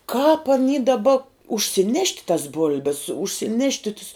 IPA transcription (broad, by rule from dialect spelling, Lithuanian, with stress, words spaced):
kɑːp ɐˈnʲiː dɐˈbɐ ʊʃʲsʲɪˈnʲɛʃʲtʲ tɐs ˈbʊlʲbʲɛs ʊʃʲsʲɪˈnʲæːʃʲtʲɪ tʊs